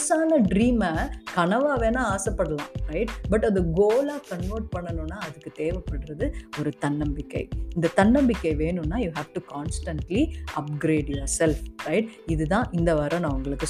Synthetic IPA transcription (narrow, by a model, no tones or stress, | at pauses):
saːnɐɖɾiːmɐkɐɳɐʋaːʋeːnaːaːsɐpːɐɽɐlãːɾɐɪʈbɐʈːɐðɯɡoːlaːkɐɳʋɐːɾʈ̚pɐɳːɐnʊ̃nːaːɐðɯkːɯt̪eːʋɐpːɐɽɯɾɐðɯɔɾɯt̪ɐnːɐmbɪkːɐ̰ɪɪnd̪ɐt̪ɐnːɐmbɪkːɐɪʋeːnɯnːaːjuːɦæːʋʈukaːnsʈɐɳʈliɐp̚ɡɾeːɖjoːɾsɛlfɾɐɪʈ̚ɪðɯt̪ãːʔɪnd̪ɐʋɐɾɐ̃nɐ̃ʋɐŋɡɐɭɯkːɯ